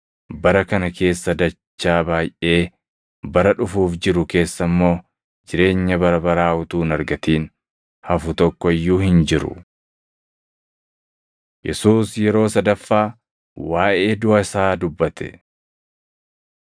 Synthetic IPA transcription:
bɐɾɐkɐnɐke̞ːsːɐd̪ɐt͡ʃːaːbaːjʔe̞ː | bɐɾɐᶑʊfuːfd͡ʒɪɾʊke̞ːsːɐmːo̞ː | d͡ʒɪɾe̞ːɲːɐbɐɾɐbɐɾaːʊt̪uːnɐɾɡɐt̪iːn | hɐfʊt̪ɔkːɔɪjːuːhɪnd͡ʒɪɾʊ̰ | jɛsuːsjɛɾo̞ːsɐd̪ɐfːaː | waːʔe̞ːd̪ʊɐsaːd̪ʊbːɐt̪ʰɛ̥̰

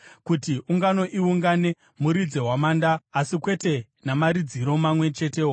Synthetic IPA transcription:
kutiʔuŋɡano̞ʔiuŋɡane̞ | muɾid͡ze̞ɦwamaːndaːsikwe̞te̞ | namaɾid͡ziɾo̞mamwe̞t͡ʃe̞teo

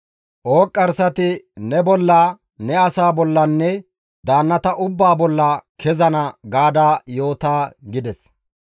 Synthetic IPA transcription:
ʔoːkʼːɐɾsɐt̪ɪnɛbɔlːaː | nɛɐsaːbɔlːɐnːɛ | d̪aːnːɐt̪ɐʔʊbːaːbɔlːɐkʰɛzɐnɐɡaːd̪aːjo̞ːt̪aːɡɪd̪ɛs

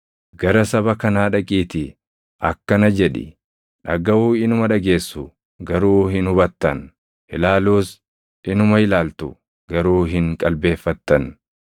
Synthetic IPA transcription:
ɡɐɾɐsɐβɐkɐnaːᶑɐkʼiːt̪ɪ | ʔɐkːɐnɐd͡ʒɛᶑɪ̰ | ᶑɐɡɐuːɪnʊmɐᶑɐɡe̞ːsːʊ | ɡɐɾuːɦɪnʊbɐt̪ːɐn | hɪlaːluːs | ɪnʊmɐhɪlaːlt̪ʊ | ɡ̥ɐɾuːɦɪŋkʼɐlbe̞ːfːɐt̪ːɐn

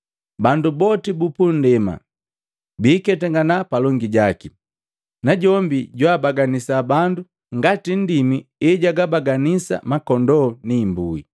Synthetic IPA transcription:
bandubɔtibupun̩dɛma̰ | biːkɛtɛŋɡanapalɔŋɡiɟaki | naɟɔmbiɟwaːbaɡanisaːbandu | ŋɡatin̩dimiɛɟaɡabaɡanisa̰makɔndɔniːmbuḭ

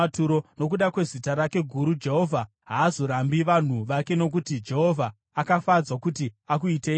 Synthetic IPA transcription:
tuɾo̞no̞k̬uɗakwe̞zitaɾake̞ɡʱuɾud͡ʒe̞ɦo̞vʱa | ɦaːzo̞ɾambiʋan̤uʋake̞no̞k̬utid͡ʒe̞ɦo̞vʱaː | kafad͡zwakutiakuite

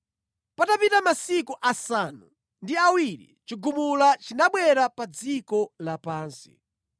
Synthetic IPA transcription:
patapitamasikuʔasanu | ndiawiɾḭt͡ʃiɡumulat͡ʃinaɓwɛɾapad͡zikɔlapaːnsi̥̰

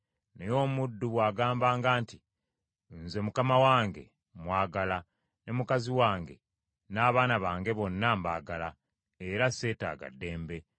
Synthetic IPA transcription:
nejo̞ːmudːuβwaːɡaːmbaːŋɡaːnti | nze̞mukamawaːŋɡe̞̰ | mwaːɡala | nemukaziwaːŋɡe̞̰ | naːβaːnaβaːŋɡe̞βo̞nːamba̰ːɡala | eɾasːe̞ːta̰ːɡa̰dːe̞ːmbe̞

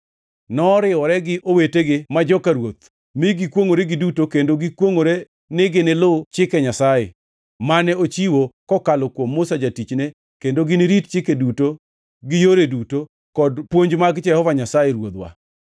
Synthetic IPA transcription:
nɔɾɪɔɾɛɡɪʔoweteɡɪmad͡ʒɔkaɾwot̪̚ | mɪɡɪkwoŋoɾeɡɪdutokendoɡɪkwoŋoɾe | nɪɡɪnɪlʊt͡ʃɪkɛɲasajḛ | manɛot͡ʃiwokɔkalɔkwomːʊsad͡ʒatit͡ʃne | kendoɡɪnɪɾitt͡ʃɪkeduto | ɡɪjoɾeduto | kɔdpwoɲd͡ʒmaɡd͡ʒɛhɔvaɲasajeɾwot̪wa̰

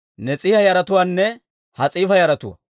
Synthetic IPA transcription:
nɛt͡sʼiːhɐjɐɾɐt̪ʊwaːnːɛ | hɐt͡sʼiːfɐjɐɾɐt̪ʊwɐ̰

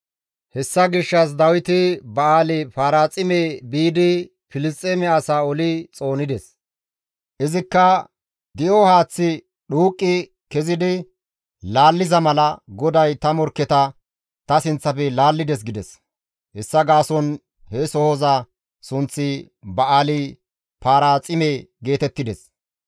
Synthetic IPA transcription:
hɛsːɐɡɪʃːɐs̬d̪ɐwɪt̪ɪbɐaːlɪfaːɾaːt͡sʼɪmebiːd̪ɪ | fɪlɪstʼeːmɛɐsaːɔlɪt͡sʼo̞ːnɪd̪ɛs | ʔɪzɪkːɐ | d̪ɪʔɔhaːt͡sːɪ | ɗuːkʼːɪ | kɛzɪd̪ɪ | laːlːɪzɐmɐlɐɡɔd̪ɐjt̪ɐmɔɾkːɛt̪ɐ | t̪ɐsɪnt͡sːɐpɛlaːlːɪd̪ɛs̬ɡɪd̪ɛs | hɛsːɐɡaːsɔn | hɛsɔhoza | sʊnt͡sːɪ | bɐʔaːlɪ | paːɾaːt͡sʼɪmeɡe̞ːt̪ɛt̪ːɪd̪ɛs

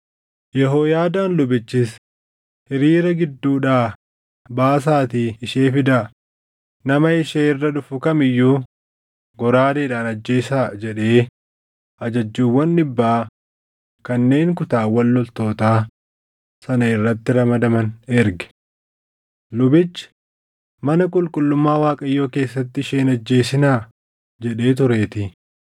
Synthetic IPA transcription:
jɛɦoːjaːd̪aːnlʊbɪt͡ʃːɪs | hɪɾiːɾɐɡɪd̪ːuːᶑaː | baːs̬aːt̪iːɪʃeːfɪd̪aː | nɐmɐɪʃeːɪrːɐᶑʊfʊkɐmɪjːuː | ɡɔɾaːd̪eːᶑaːnɐd͡ʒːeːsaːd͡ʒɛᶑe̞ː | ʔɐd͡ʒɐd͡ʒːuːwːɐnːɪbːaː | kɐnːe̞ːŋkʊt̪aːwɐlːɔlt̪o̞ːt̪aː | sɐnɐɪrːɐt̪ːɪɾɐmɐd̪ɐmɐnɛɾɡɛ̥ | lʊbɪt͡ʃːɪ̥ | mɐnɐkʼʊlkʼʊlːʊmːaːwaːkʼɐjːo̞ːke̞ːsːɐt̪ːɪɪʃe̞ːnɐd͡ʒːe̞ːsɪnaː | d͡ʒɛᶑe̞ːt̪ʊɾe̞ːt̪ɪ

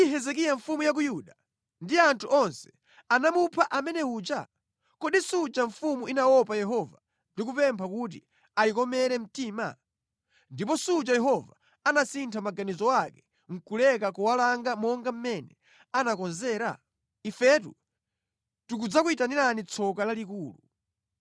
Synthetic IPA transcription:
iɦɛzɛk̬ijaɱfumujak̬ujuɗa | ndiantʰuʔɔnsɛ̥ | anamupʰaʔamɛnɛuːt͡ʃa̰ | kɔɗisut͡ʃaɱfumuʔinawɔpajɛɦɔva | ndik̬upɛmpʰakut̬ḭ | aikɔmɛɾɛm̩tiːma̰ | ndip̬ɔsut͡ʃajɛɦɔva | anasintʰamaɡanizɔwakɛ | ŋ̩kulɛkakuwalaŋɡamɔŋɡam̩mɛnɛ | anakɔnzɛːɾa̰ | ifɛtṵ | tuk̬ud͡zakuitaniɾanit͡sʰɔkalalikuːlu

